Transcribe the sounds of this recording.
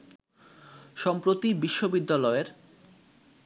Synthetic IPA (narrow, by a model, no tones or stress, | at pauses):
ʃɔmpɾot̪ibiʃːobid̪ːalɔeɾ